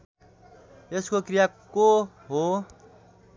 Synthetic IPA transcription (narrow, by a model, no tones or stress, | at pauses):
eskokrijako | ɦo